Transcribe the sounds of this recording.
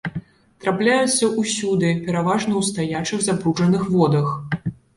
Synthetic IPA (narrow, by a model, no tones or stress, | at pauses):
t̪ɾaplʲajut̪sʲːɐʔusʲud̪ɨpʲɛɾavaʐnɐwst̪ajat͡ʂɨɣzapɾuʐɐnɨxvɔd̪ɐx